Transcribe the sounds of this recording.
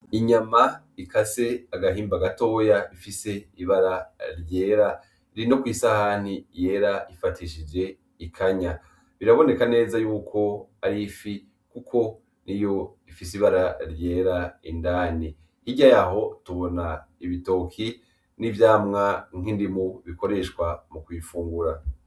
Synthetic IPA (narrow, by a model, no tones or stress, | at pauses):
iɲama | ikase̞aɡahiːmbaɡato̞ːjaifise̞iβaɾaɾje̞ːɾa | iɾino̞kwiːsahan̥ije̞ːɾaifatiʃid͡ʒe̞ | ikʰaɲa | βiɾaβo̞ne̞kane̞ːzajuːkʰo̞aɾifi | kukʰo̞ | nʔijo̞ifisiβaɾaɾje̞ːɾaindaːni | hiɟajaɦo̞tuβo̞naiβito̞kʰi | nivjaːmŋaŋ̥indimuβiko̞ɾe̞ʃkwamukwifuːŋɡuɾa